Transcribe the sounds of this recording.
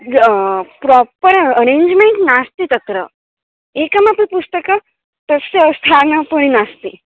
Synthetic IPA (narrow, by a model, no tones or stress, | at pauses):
pɾɔpəɾəɾeɲd͡ʑmeɳʈnast̪it̪ɐt̪ɾə̰ | ekəmãpə̃pust̪əkə | t̪əsest̪ʰanapəɽ̃inast̪i